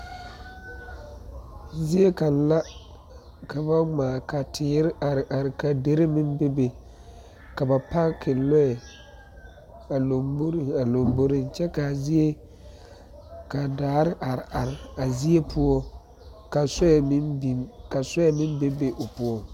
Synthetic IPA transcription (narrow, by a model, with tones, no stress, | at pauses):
zi˦e˦ka˨n˦la˦ | ka˨ba˦maː˨ka˨tʰɪː˨˦ɾɪ˦ʔa˨ɾɪ˨ʔa˨ɾɪ˨ka˨de˨˦ɾe˦mɪ˦m˦be˦be˨ | ka˨ba˨pa˦kʰɪ˨lɔ˦ɛ˨ | a˨lo˨mbo˦ɾa˨lo˨mbo˦ɾɪ˦nt͡ʃɛ˦ka˨zi˦e˦ | ka˨daː˨˦ɾɪ˦ʔa˨ɾɪ˨a˨ɾɪ˨a˨zi˦e˦pʰʊ˦ɔ˦ | ka˨sɔ˦ɛ˨m˦bi˨ka˨sɔ˦ɛ˦mɪ˦m˦be˦be˦ʔʊ˨pʊ˦ɔ˨